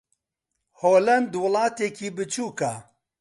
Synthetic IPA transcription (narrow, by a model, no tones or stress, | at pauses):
hoːlɐnd̪wʊlˠɑːt̪eːkiːbɨt͡ʃʰuːka